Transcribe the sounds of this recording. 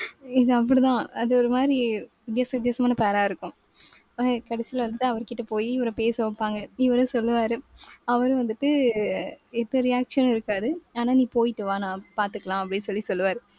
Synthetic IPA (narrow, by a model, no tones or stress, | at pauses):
ɪðɯɐp̬ːɐɽit̪ãːɐðɯɔɾɯmaːd̪ɾiʋɪd̪jaːsɐɪd̪jaːsɐmaːnɐpeːɾaːɪɾɯkːʊ̃ | kɐɽɐsɪlɐʋɐnd̪ɯʈːɯɐʋɐɾkɪʈːɐpoːjiɪʋɐɾɐpeːsɐpːaːŋɡɐɪʋɐɾɯ̃sɔlːɯʋaːɾɯɐʋɐɾɯ̃ʋɐnd̪ɯʈːɯ | ɛt̪ːɐɾɪjaːkʂɐnɪɾɯkːaːðɯaːnaːniːpoːjɪʈːɯʋaːnãːpaːɾt̪ɯkːɐlãːɐpːɐɽɪnsɔlːisɔlːɯʋaːɾɯ